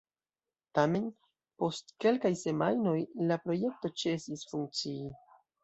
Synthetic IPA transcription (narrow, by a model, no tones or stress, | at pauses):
tame̞n | po̞stke̞lkajse̞majno̞jlapɾo̞je̞k̚to̞t͡ʃe̞sisfuŋk̚t͡sii